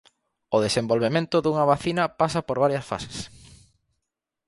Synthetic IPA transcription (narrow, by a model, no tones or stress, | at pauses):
oðesembolβemẽnt̪ʊðuŋɐβaθinɐpasɐpoɾβaɾjɐsfa̰se̥s